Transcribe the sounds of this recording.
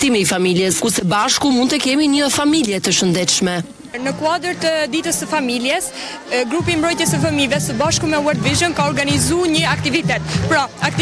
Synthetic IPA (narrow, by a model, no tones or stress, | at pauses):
t̪imiːfamiljɛskusɛbaʃkumund̪t̪ɛkɛmiɲəfamiljɛt̪əʃənd̪ɛt̪ʃmɛ | nəkuad̪əɾt̪əd̪it̪əsːəfamiljɛs | ɡɾup̬iːmbɾɔjt̪jɛsəfəmivɛsəbaʃkumɛwɛɾt̪viʒənkaɔɾɡanizuɲəakt̪ivit̪ɛt̪pɾɔak̚t̪